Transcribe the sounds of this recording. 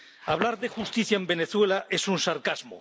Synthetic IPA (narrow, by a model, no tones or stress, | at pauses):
aβ̞laɾðexust̪iθjaembe̞ne̞θwe̞lae̞sunsaɾkazmo̰